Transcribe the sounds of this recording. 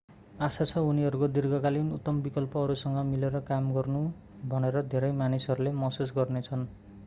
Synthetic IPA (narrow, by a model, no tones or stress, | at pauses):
asat͡sʰʌuniɦʌɾukod̪irɡʌkalinut̪ːʌmbikʌlpʌɦʌɾusʌŋɡʌmileɾʌkamɡʌrnu | bʱʌneɾʌd̪ʱeɾʌjmanisʌɾulemʌsusɡʌrnet͡sʰʌn